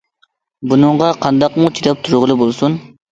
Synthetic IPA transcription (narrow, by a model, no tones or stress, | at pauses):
bunɨɴʁɑqʰɑnd̪ɑqmut͡ʃʰiɾɑp̚t̪ʰuɾʁəlˠɨbolˠsun